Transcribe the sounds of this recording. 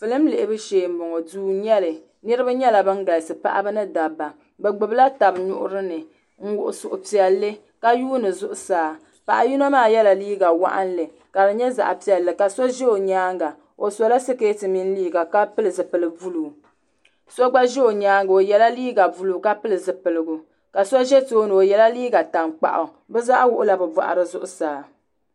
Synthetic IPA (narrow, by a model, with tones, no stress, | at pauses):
fɨ˨lɨ˦m̩˦le˨ʔɪ˨˦bɨ˦ʃeː˨m̩˨bʊ˨ŋɔ˨duː˦ɲɛ˦lɨ˨ | nɨ˦ɾɨ˦ba˦ɲɛ˦la˨bɨ˦ŋ˦ɡa˨lsɨ˨pa̰˦ʔa̰˦bɨ˦nɨ˦da˨ba˨ | bɛ˨ɡ͡bʊ˨bla˦ta˨bɲʊ˦ʔʊ̰˦ɾɨ˦nɨ˨ | ŋ̩˦wʊ˨ʔʊ˨sʊ˨ʔʊ˨pi˨ɛ˨lːɨ˦ | ka˦juː˦nɨ˨zʊ˦ʔʊ˨˦saː˨ | pa˨ʔa˨ji˦no˦maː˦˨jɛ˦la˨liː˦ɡa˨wa̰˦ʔa̰˦nlɨ˨ | ka˨bɨ˨ɲɛ˦za̰˨ʔa˨pi˨ɛ˨lːɨ˨ka˨so˦ʒɛ˦o˨ɲaː˦ŋɡa˨ | o˨so˦la˦sɨ˦keː˦tɨ˨mi˦n˦liː˦ɡa˨ka˦pɨ˦lɨ˨zɨ˨pɨ˨lɨ˨vu˦luː˨ | so˦ɡ͡ba˦ʒɛ˦o˨ɲaː˦ŋɡo˨jɛ˨la˦liː˦ɡa˨vu˦luː˨ka˦pɨ˦lɨ˨zɨ˨pɨ˨lɨ˨ɡʊ˨ | ka˨sɔ˦ʒɛ˦toː˦nɨ˨o˨jɛ˨la˦liː˦ɡa˨ta˨ŋk͡pa̰˨ʔʊ̰˨ | bɛ˦za˦ʔwʊ˦ʔʊ˦la˨bɨ˨ba̰˨ʔa̰˨ɾɨ˦zʊ˦ʔʊ˦saː˨